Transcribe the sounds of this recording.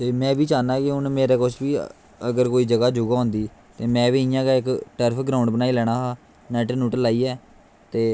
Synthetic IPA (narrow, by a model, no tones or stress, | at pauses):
t̪eːmɛ̃ːʋiːt͡ʃaːnaːkɪʊnmeːɾeːkʊt͡ʃʰʋiː | əɡəɾkoːiːd͡ʒəɡaːd͡ʒʊɡaːõːnd̪iːt̪eːmɛ̃ːʋiːɪjãːkaɪkʈəɾpʰɡɾaːʊ̃ɳɖbənaːiːlɛːɽ̃aːɦaː | nɛːʈnuːʈlaːiːɛː | t̪eː